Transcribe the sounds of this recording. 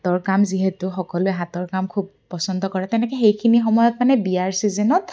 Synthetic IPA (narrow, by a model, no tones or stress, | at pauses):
tɔɹkamziɦetʊxɔkɔlʊɛɦatɔɹkamkʰub | pːɔsɔndɔkɔɹɛtɛnɛkɛxejkʰinixɔmɔjɔtmanɛbiaɹsizɛnɔt